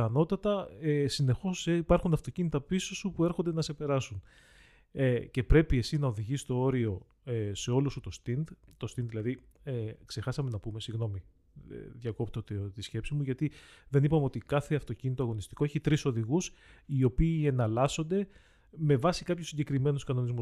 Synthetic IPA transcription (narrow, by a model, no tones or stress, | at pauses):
ɐno̞t̪ɐt̪ɐesine̞xo̞sipɐɾxunɐft̪o̞cinit̪ɐpisosupue̞ɾxond̪enɐse̞pe̞ɾɐsun | ece̞pɾe̞pie̞sinɐo̞ðiʝisist̪o̞o̞ɾio̞ | se̞o̞lusut̪o̞st̪ind̪t̪o̞st̪inðilɐði | ekse̞xɐsɐme̞nɐpume̞siɣno̞mḭ | ðʝɐko̞pt̪ot̪t̪isçe̞psimuʝɐt̪iðe̞nipɐmeo̞t̪ikɐθeɐft̪o̞cinit̪oɐɣo̞nist̪i̥ko̞eçit̪ɾiso̞ðiɣusio̞piːe̞nɐlɐso̞nd̪e̞ | me̞vɐsikɐpçusːiɲɟe̞kɾime̞nuskɐno̞nizmu